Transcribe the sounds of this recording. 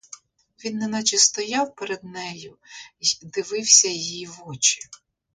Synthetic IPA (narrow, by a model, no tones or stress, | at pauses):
ʋʲinːɛnɐt͡ʃɪst̪ɔjɑwpeɾed̪̚nɛjʊ | d̪ɪʋɪwsʲɐjjiʋɔt͡ʃɪ̥